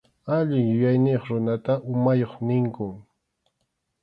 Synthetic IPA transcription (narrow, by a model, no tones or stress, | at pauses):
aʎɪŋjʊjajnɪjoχɾʊnat̪aʔʊmajoχnɪŋkʊŋ